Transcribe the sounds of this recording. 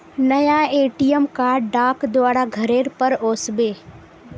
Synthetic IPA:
nəjaeːʈijəmkaːɖɖaːkd̪ʊaːɽaɡʱɐɾeːɾpəɾoːsbeː

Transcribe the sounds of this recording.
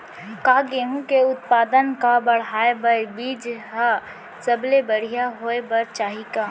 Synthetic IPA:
kaːɡeɦũkeʊt̪paːd̪ənkabəɽ̤aːebəbiːd͡ʒɦa | səblebəɽ̤ijaɦoːebəɾt͡ʃaːɦikaː

